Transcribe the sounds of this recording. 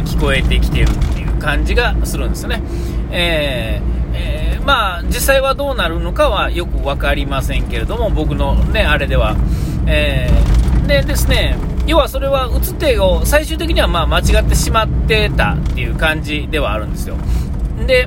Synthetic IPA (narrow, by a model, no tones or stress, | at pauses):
kʲi̥ko̞e̞t̪e̞kʲi̥t̪e̞ɾɯ̟t̪ːe̞jɯ̟ːkãɲ̟d͡ʑiɡasɨɾɯ̟nesɨjo̞ne | eː | emaː | d͡ʑisːaiβad̪o̞ːnaɾɯ̟no̞kaβajo̞kɯ̟βakaɾʲimasẽ̞ŋke̞ɾe̞d̪o̞mo̞bo̞kɯ̟no̞ne̞aɾe̞d̪e̞βaeː | d̪e̞d̪e̞sɨne̞ | jo̞ːβaso̞ɾe̞βaɯ̟t͡sɨ̥t̪ːe̞osaiɕɨːt̪e̞kʲiɲ̟iβamaːmat͡ɕiɡat̪ːe̞ɕimat̪ːe̞t̪a̰t̪ːe̞jɯ̟ːkãɲ̟d͡ʑid̪e̞β̞aːɾɯ̟̃nd̪e̞sɨjo̞̰ | d̪e̞